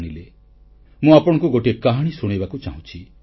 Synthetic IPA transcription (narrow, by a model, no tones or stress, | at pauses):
ɽ̃ile | mũapɔɽ̃ɔ̃ŋkuɡoʈiekaɦaɽ̃isuɽ̃ebakut͡ʃa̰ɦũt͡ʃʰi